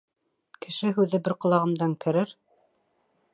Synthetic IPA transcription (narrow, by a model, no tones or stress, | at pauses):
kʰɘ̆ʃɘɦʉðɘbɘɾqŏlˠɑʁɤ̆md̪ɑŋkʰɘ̆ɾɘɾ